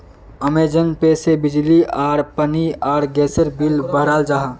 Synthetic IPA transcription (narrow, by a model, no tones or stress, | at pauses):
əmeːd͡ʒənpeːsebɪd͡ʒliaːɾpəniaːɾɡɛːsəɾbilbəɦɾaːld͡ʒaɦa